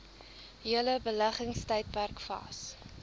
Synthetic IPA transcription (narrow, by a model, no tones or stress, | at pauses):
ɦiələbəlæχəŋstɛjt̚pærkfɑ̰ːs